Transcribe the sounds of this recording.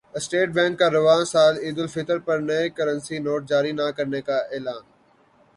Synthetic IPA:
əsʈeːʈ̚bɛ̃ːŋkːaɾɪʋaːnsaːliːd̪ɪlfɪt̪əɾpɐɾnɐekɐɾənsinoːʈ̚d͡ʒaːɾinakɐɾnekaeːlaːn

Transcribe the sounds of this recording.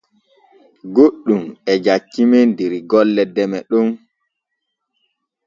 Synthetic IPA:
ɡoɗːumɛd͡ʒat͡ʃːimɛndeɾiɡɔlːɛdɛmɛɗum

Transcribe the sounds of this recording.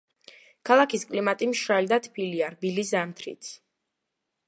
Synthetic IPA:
kʰalˠakʰiskʼlimat̪ʼimʃɾald̪at̪ʰpʰiliaɾbilizamt̪ʰɾḭt̪sʰ

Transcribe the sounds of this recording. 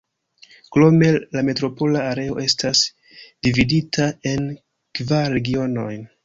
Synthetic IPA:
klo̞me̞lame̞tɾo̞po̞laːɾe̞o̞ʔe̞stas | d̥ividitʰae̞n | kvaɾɾe̞ɡio̞no̞̰jn

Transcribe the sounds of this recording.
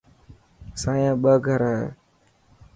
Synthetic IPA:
saːjãːɓəːɡʱəɾa̰ː

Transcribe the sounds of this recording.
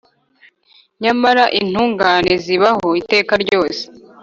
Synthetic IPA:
ɲamaɾaʔin̥uːŋɡaːneziβaho̞ite̞ːkaɾɟo̞ːse̥

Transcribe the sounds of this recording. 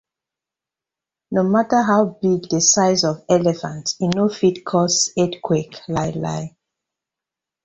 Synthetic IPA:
nomatəɦaʊbiɡdəsaɪzɔvɛlɛfãntinofitkʰɔsetkʰweklaɪla̰ɪ

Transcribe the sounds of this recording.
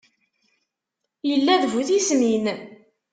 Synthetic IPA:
jəlːæðvuθismin

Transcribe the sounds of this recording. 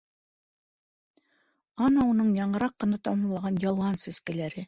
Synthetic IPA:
ɑnɑunɤɴjɑɴɤ̆ɾɑqːɤ̆nɑt̪ɑmɑ̆mlˠɑʁɑnjɑlˠɑnsæskælæɾɘ

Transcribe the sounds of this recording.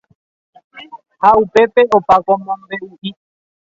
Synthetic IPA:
haupe̞pe̞opakõmõmbe̞uʔi

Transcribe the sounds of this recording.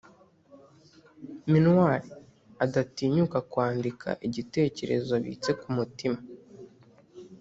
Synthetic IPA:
minwaɾi | adatiːɲukakwaːndikʰa̰ʔiɟite̞ːce̞ɾe̞̰zo̞βḭt͡se̞kumutima

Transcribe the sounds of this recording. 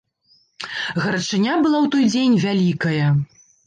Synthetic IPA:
ɣɐɾɐt͡ʂɨnʲabɨlˠawt̪ɔjd͡zʲenʲvʲalʲikɐjɐ

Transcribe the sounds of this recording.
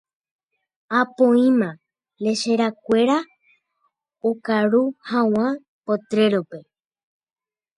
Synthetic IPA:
apõĩmã | le̞ʃeɾak̚ʷe̞ɾa | okaɾuhãw̃ã | pot̪ɾe̞ɾope

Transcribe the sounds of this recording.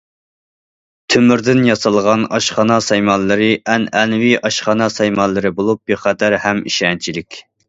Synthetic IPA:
t̪ʰømyɾd̪ɪnjɑsɑlˠʁɑnɑʃχɑnɑsɛjmɑnlːˠɨɾɨʔɛnɛnviʔɑʃχɑnɑsɛjmɑnlˠɨɾɨbolˠup̚beχæd̪æɾhɛmḭʃɛnt͡ʃʰilɪkʲ

